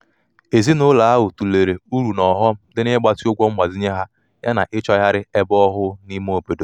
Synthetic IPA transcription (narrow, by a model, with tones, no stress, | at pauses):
e˨zi˦nʊ˦la˨a˦ɦʊ˨tu˨le˨ɾe˨u˦ɾu˨nɔ˨ɦɔ˦m̩˦dɪ˦nɪ˦ɡ͡ba˦ti˦ʊ˦ɡʷɔ˦ŋ͡m̩˦mʷa˨zi˦ɲe˦ɦa˦ | ja˦na˨ʔɪ˦t͡ʃɔ˦ja˦ɾɪ˦ɛ˦bɔ˦ɦʊ˦ni˦m˦o˨pe˨do˨